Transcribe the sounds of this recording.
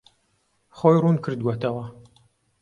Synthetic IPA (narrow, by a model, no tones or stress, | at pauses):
χojrunkʰɨɾd̪̚wɐt̪ɐwɐ